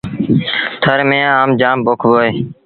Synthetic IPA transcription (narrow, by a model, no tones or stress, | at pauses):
t̪ʰəɾmẽːaːmd͡ʒaːmboːkʰboːeː